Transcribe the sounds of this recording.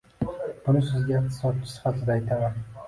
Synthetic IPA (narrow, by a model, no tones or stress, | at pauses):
b̥ʊnɪsɪzɡʲaχ̚t̪ʰɪ̥sɒt̪̚t͡ʃʰɪ̥sɪ̥fat̪ʰɪd̪aːjt̪ʰamaɾ